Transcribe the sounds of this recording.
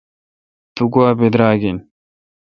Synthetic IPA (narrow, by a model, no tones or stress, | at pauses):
t̪uɡuaːbed̪ɾaːɡen